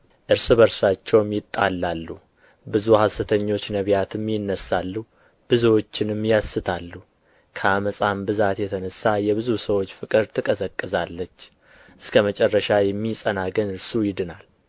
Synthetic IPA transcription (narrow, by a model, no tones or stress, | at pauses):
ʔɨɾsɨβəɾsat͡ʃːɛwmjɪt̪ʼːa̰lːalːu | bɨzuhasɨt̪ʰəɲːo̞t͡ʃːnəβjat̪ʰɨmːjɪnːəsalːu | b̥ɨzwo̞t͡ʃːɪnɨmːjasːɨt̪ʰalːu | kʰəaməsʼambɨzat̪jɛt̪ʰənəsːajɛβɨzusəwo̞t͡ʃːfɨkʼɨɾt̪ʰɨkʼəsəkʼːɨzalːət͡ʃː | ʔɨskʰəmət͡ʃʼɛrːəʃajɛmːisʼənaɡənɨɾsujɪd̪ɨnal